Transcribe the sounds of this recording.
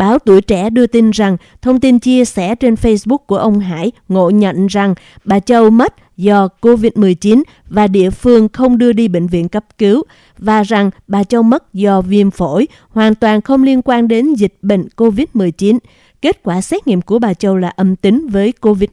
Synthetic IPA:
ɓaː˨˦wt̪u˧˩əjt͡ɕɛ˧˩ɗɨ˧ət̪i˧nza˨˩ŋ | t̪ʰə˧wŋ͡mt̪i˧nt͡ɕi˧əsɛ̰˧˥t͡ɕe˧nfə˧jsɓʊ˦˥k̚ku˧˩əʔə˧wŋ͡mɦa̰ː˧˥˨jŋo̰˧˨ɲə̰˧˨nza˨˩ŋ | ɓaː˨˩t͡ɕə˧wmə˦˥t̚ | zɔ˧ko˧vi˦˥t̚mɨ˨˩əjt͡ɕi˨˦n | vaː˨˩ɗḭ˧˨əfɨ˧əŋxə˧wŋ͡mɗɨ˧əɗi˧ɓḛ˧˨ŋ̟vḭ˧˨ənkə˦˥p̚kɨ˨˦w | vaː˨˩za˨˩ŋɓaː˨˩t͡ɕə˧wmə˦˥t̚zɔ˧vi˧˩əmfo˧˥˩j | hwaː˨˩nt̪waː˨˩nxə˧wŋ͡mli˧ənkwaː˧nɗe˨˦nzi˨˩k̚ɓḛ˧˨ŋ̟ko˧vi˦˥t̚mɨ˨˩əjt͡ɕi˨˦n | ke˦˥t̚kwaː˧˩sɛ˦˥t̚ŋḭ˧˨əmku˧˩əɓaː˨˩t͡ɕə˧wlaː˨˩ʔə˧mt̪i˨˦ŋvəː˨˦jko˧vi˦˥

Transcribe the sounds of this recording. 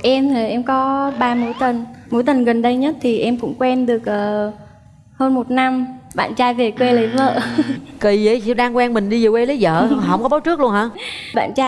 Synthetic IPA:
ʔɛ˧mt̪ʰə˨˩ʔɛ˧mkɔ˨˦ɓaː˧mo˨˦jt̪ə˨˩nmo˨˦jt̪ə˨˩nɣə˨˩nɗə˧jɲə˦˥t̚t̪ʰi˨˩ʔɛ˧mkʊ̰˧˥ŋ͡mkwɛ˧nɗɨ˨˩ək̚ʔəː˨˩ | həː˧nmo˨˩t̚na˧mɓa̰ː˧˨nt͡ɕaː˧jve˨˩kwe˧lə˨˦və̰ː˧˨ki˨˩ə˨˦jɗaː˧ŋkwɛ˧nmï˨˩ŋ̟ɗi˧zə˨˩we˧lə˨˦zə̰ː˧˨˩ɦə̰˧˥wŋ͡mkɔ˨˦ɓaː˨˦wt͡ɕɨ˦˥k̚lu˧ənhaː˧˥ɓa̰ː˧˨nt͡ɕaː˧

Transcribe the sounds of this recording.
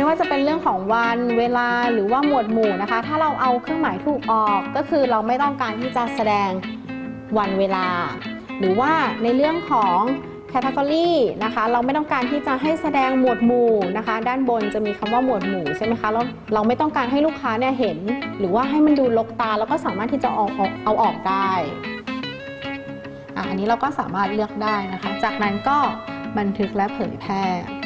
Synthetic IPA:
mm˥˩jwaː˥˩t͡ɕa˨˩pe˧nɾɯ˥˩əŋkʰɔː˩˦ŋwa˧nweː˧laː˧ɾɯː˩˦waː˥˩mu˨˩ət̪̚muː˨˩na˦˥kʰa˦˥t̪ʰaː˥˩ɾa˧wʔa˧wkʰɯ˥˩əŋmaː˩˦jt̪ʰuː˨˩k̚ʔɔː˨˩kːɔː˥˩kʰɯː˧ɾa˧wma˥˩jt̪ɔ˥˩ŋkaː˧nt̪ʰiː˥˩t͡ɕa˨˩sa˧dɛː˧ŋ | wa˧nweː˧laː˧ | ɾɯː˨˩˦waː˥˩na˧jɾɯ˥˩əŋkʰɔː˩˦ŋ | kʰɛː˧t̪ʰa˦˧kɔː˧ɾiː˥˩na˦˥kʰa˦˥ɾa˧wma˥˩jt̪ɔ˥˩ŋkaː˧nt̪ʰiː˥˩t͡ɕa˨˩ɦa˥˩jsa˧dɛː˧ŋmu˨˩ət̪̚muː˨˩na˦˥kʰa˦˥daː˥˩nbo˧nt͡ɕa˨˩miː˧kʰa˧mwaː˥˩mu˨˩ət̪̚muː˨˩t͡ɕʰa˥˩jma˦˥jkʰa˦˥la˧˩w | ɾa˧wma˥˩jt̪ɔ˥˩ŋkaː˧nɦa˥˩jlu˥˩kʰːaː˦˥ni˥˩ɐɦe˩˦nɾɯː˩˦waː˥˩ɦa˥˩jma˧nduː˧lo˦˥k̚t̪aː˧lɛ˦˥wkɔː˥˩saː˨˦maː˥˩t̪ʰːiː˥˩t͡ɕa̰˨˩ʔɔː˨˩k̚ʔɔ˨˩ʔa˧wʔɔː˨˩k̚daː˥˩j | ʔa̰ː˨˩ʔa̰˧nːiː˦˥ɾa˧wkɔː˥˩saː˩˦maː˥˩t̪̚lɯ˥˩ək̚daː˥˩jna˦˥kʰa˦˥t͡ɕaː˨˩k̚na˦˥nkɔː˥˩ba˧nt̪ʰɯ˦˥k̚lɛ˦˥ʔpʰɤː˩˦jpʰɛː˥˩

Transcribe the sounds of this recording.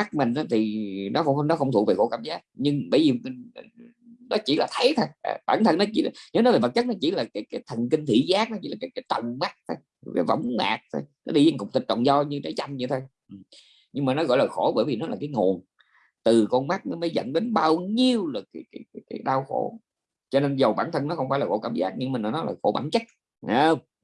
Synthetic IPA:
ma˦˥k̚mï˨˩ŋ̟ʔaː˨˦t̪ʰi˨˩nɔ̰˨˦xwŋ͡mnɔ˨˦xə˧wŋ͡mt̪u˨˧˨k̚ve˨˩xo̰˧˥kaː˧˩mzaː˦˥k̚ɲɨ˧ŋɓə̰ː˧˩jvi˨˩˨ | nɔ˨˦t͡ɕḭ˧˩laː˨˩t̪ʰə˨˦jt̪ʰo˧jɓaː˧˩nt̪ʰə˨˩nɔ˨˦t͡ɕḭ˧˩˨ɲəː˨˦n˨˦jve˨˩və˨˩t̚t͡ɕə˦˥t̚nɔ˨˦t͡ɕi˧˩laː˨˩kaː˨˦jkaː˨˦jt̪ʰə˨˩nki˧ŋ̟t̪ʰḭ˧˥zaː˦˥k̚nɔ˨˦t͡ɕi˧˦laː˨˩kaː˨˦jkaː˨˦jt͡ɕə˧˨wŋ͡mma˦˥k̚t̪ʰo˧jkaː˨˦jvə̰˧˩wŋ͡mma̰ː˨˩k̚t̪ʰo˧jnɔ˨˦ɗi˧za˧ŋkʊ˨˩ŋ͡m̚t̪i˨˩t̚t͡ɕɔ̰˨wŋ͡mzɔ˧ɲɨ˧t͡ɕa˨˦jt͡ɕa˧jŋɲɨ˧t̪ʰo˧j | ʔɨ˨˩ | ɲɨ˧ŋmaː˨˩nɔ˨˦ɣɔ̰˧˨jlaː˨˩xo˧˩ɓəː˧˥jvi˨˩nɔ˨˦laː˨˩kaː˨˦jŋo˨˩əŋ | t̪ɨ˨˩kɔ˧nma˦˥k̚nɔ˨˦məː˨˦jzə̰˧˨nɗe˨˦nɓaː˧wɲi˧əwlə˨˩jkːjkaː˨˦jka˨˦jkaː˨˦jɗaː˧wxo˧˩˦ | t͡ɕɔ˧ne˧nzə˨˩wɓaː˧˩nt̪ʰə˧nɔ˨˦xə˧wŋ͡mfaː˧˩jlaː˨˩o˧˩˦kaː˧˩mzaː˦˥k̚ɲɨ˧ŋmaː˨˩nɔ˨˦nɔ˨˦laː˨˩xo˧˩ɓa̰ː˧˩˦nt͡ɕə˦˥t̚ | a˨˧

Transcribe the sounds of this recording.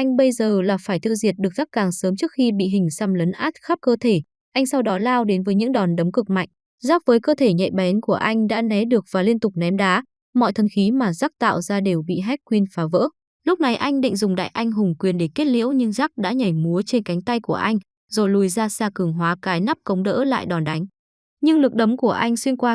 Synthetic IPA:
ʔa˧jŋ̟ɓə˧jzəː˨˩laː˨˩faː˧˩jt̪ʰɨ̰˧˨ŋzḭ˨˩ət̚ɗɨ˨˩ək̚za˦˥kaː˨˩ŋsəː˨˦mt͡ɕɨ˦˥ək̚xi˧ɓḭ˧˨ɦï˨˩ŋ̟sa˧mləː˨˦nʔaː˦˥t̚xaː˦˥p̚kəː˧t̪ʰe˧˩ | ʔa˧jŋ̟sa˧wɗɔ˨˦laː˧wɗe˨˦nvəː˨˦jɲɨ̰˧˥ŋɗɔ˨˩nɗə˨˦mŋ͡mkɨ˨˩k̚ma̰˧˨jŋ̟ | zaː˦˥p̚vəː˨˦jkəː˧t̪ʰe˧˩ɲɛ̰˧˨jɓɛ˨˦nku˧˩əʔa˧jŋ̟ɗa̰ː˧˥nɛ˨˦ɗɨ˨˩ək̚vaː˨˩li˧ənt̪ʊ˨˩k͡p̚nɛ˨˦mɗaː˨˦ | mɔ̰˧˨jt̪ʰə˨˩nxi˨˦maː˨˩zaː˦˥k̚t̪a̰ː˧˨wzaː˧ɗe˨˩wɓḭ˧˨ɦɛ˦˥k̚kwi˧ənfaː˨˦və̰ː˧˥ | lʊ˦˥k͡p̚na˨˩jʔa˧jŋ̟ɗḭ˧˨ŋ̟zʊ˨˩ŋ͡mɗa̰ː˧˨jʔa˧jŋ̟ɦʊ˨˩ŋ͡mkwi˨˩ənɗe˧˩ke˦˥t̚lḭ˧˥əwɲɨ˧ŋzaː˦˥k̚ɗa̰ː˧˥ɲa˨˩jmu˨˦t͡ɕe˧nka˨˦ŋ̟t̪a˧jku˧˩əʔa˧jŋ̟ | zo˨˩jlu˨˧˩jzaː˧saː˧kɨ˨˧˩əŋɦwaː˨˦kaː˨˦jna˦˥p̚kə˨˦wŋ͡mɗə̰ː˧˥la̰ː˧˨jɗɔ˨˩nɗa˨˦jŋ̟ | ɲɨ˧ŋlɨ˨˩ək̚ɗə˨˦ŋ͡mku˧˩əʔa˧jŋ̟swi˧ənkwaː˧

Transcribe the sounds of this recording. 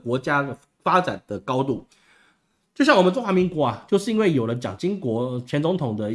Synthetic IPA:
kwɔ˧˥t͡ɕja˥ | fa˥t͡sa̰˨˩nd̪ə˩kɑ˥ʊt̪u˥˩ | t͡ɕjo˥˧ɕjɑ˥˩ŋwɔ˨˩mə˦ʈ͡ʂʊ˥ŋxwa˧˥mi˧˥ŋkwɔ˧˥a˨t͡ɕjo˥˧ʊʂɻ̩˥˩i˥nwe˥˩ɪjo˨˩ʊlə˦t͡ɕjɑ̰˨˩ŋt͡ɕi˥ŋkwɔ˧˥t͡ɕʰjɛ˧˥nt͡sʊ˧˥ŋt̪ʰʊ˨˩ŋd̪ə˦

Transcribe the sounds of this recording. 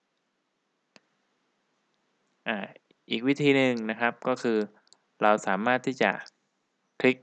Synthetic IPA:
ʔaː˧˩ | ʔiː˨˩k̚wi˦˥t̪ʰiː˧nɯ˨˧ŋna˦˥kʰa˦˥p̚kɔː˥˩kʰɯː˧ | ɾa˧wsaː˩˦maː˥˩t̪ʰːiː˥˩t͡ɕa̰˨˩ | kʰli˦˥k̚

